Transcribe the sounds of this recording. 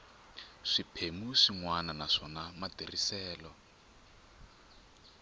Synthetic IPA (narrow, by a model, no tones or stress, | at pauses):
ʂipʰemuʂiŋwananaʂɔnamadʱerisɛːlɔ